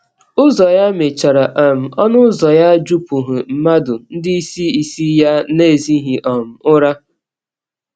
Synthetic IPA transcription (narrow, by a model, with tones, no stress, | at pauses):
ʊ˦zɔ˨ja˦me˨t͡ʃa˨ɾa˨ʔa˨m̩˨ɔ˦nʊ˦zɔ˨ja˦d͡ʒu˦pu˨ɦʊ˨m̩˨ma˦dʊ˨n̩˦dɪ˦i˦si˦i˨si˦ja˦ne˦˨zi˦ɦi˨ʔɔ˨m̩˨ʊ˦ɾa˦